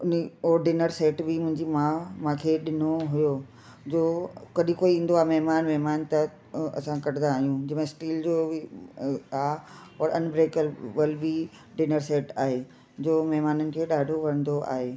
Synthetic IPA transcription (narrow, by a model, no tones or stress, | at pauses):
ʊniɔːɾɖɪnəɾseːʈbɪmʊ̃ɦɪ̃ɲd͡ʑimãːmãkʰeɗɪnoɦʊjo | d͡ʑoːkɐɗĩkoːiĩːn̆d̪oaːɦmɐɦmaːnmɐɦmaːnt̪ɐ | ɐ̰sãkɐʈɪ̃d̪ãːɦijũd͡ʑɪːmẽsʈiːld͡ʑoː | aːɔːɾɐnbɾeːkəlʋəlbi | ɖɪnəɾseːʈaːɦeː | d͡ʑoːmɐɦmaːnənɪ̆kʰeːɗaːɖʱoʋɐɾə̃nd̪oa̰ːɦeː